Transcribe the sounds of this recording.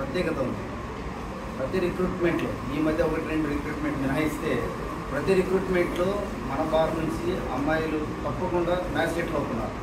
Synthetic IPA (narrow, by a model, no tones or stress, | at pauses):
pɾɐt̪jɛːɡɐt̪ɐund̪i | pɾɐt̪iɾikɾuːʈme̞ɳʈlo̰ | iːmɐd̪ʱjɐɔkɐʈinɐɳʈiɾikɾuːʈme̞ɳʈninɐɦɐjist̪e̞ː | pɾɐt̪iɾikɾuːʈme̞ɳʈloː | mɐnɐbaːɾnuɲt͡ʃiɐmːɐːjɐlu | t̪ɐpːɐkuɳɖaːnaːseːʈlɐwt̪unːa̰ːɾu